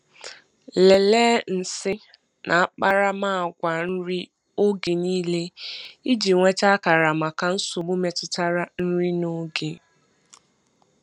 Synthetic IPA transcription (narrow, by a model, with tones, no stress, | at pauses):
le˨leː˦n̩˨sɪ˦ | nʔa˨a˨k͡pa˦ɾa˦maː˦˨ɡʷa˨n̩˦ɾi˦ | o˦ɡe˨niː˦le˦i˦d͡ʒi˨ŋʷe˦t͡ʃa˦ka˨ɾa˨ma˨ka˨n̩˦sʊ˨mu˦me˨tʊ˦ta˦ɾa˦n̩˦ɾi˦no˦ɡe˨